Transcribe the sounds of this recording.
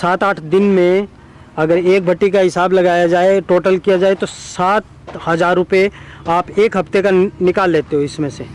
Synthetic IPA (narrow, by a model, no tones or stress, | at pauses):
saːt̪aːʈʰd̪ɪnmẽ | ɐɡəɾeːk̚bʱɐʈːikaɦɪsaːblɐɡaːjad͡ʒaːeʈoːʈəlkijad͡ʒaːet̪osaːt̪̚ | hɐzaːɾːʊpeaːpeːkɦɐft̪ekanɪkaːlːeːt̪eɦoɪsmẽse